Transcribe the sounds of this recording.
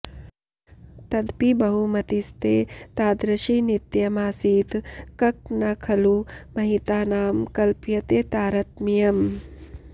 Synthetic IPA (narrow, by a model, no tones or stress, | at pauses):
t̪ɐd̪pibɐɦumɐt̪ist̪eːt̪aːd̪ɾɐʃiːnit̪jɐmaːsiːt̪kɐk̚nɐkʰɐlumɐɦit̪aːnaːmkɐlpjɐt̪eːt̪aːɾɐt̪mijɐm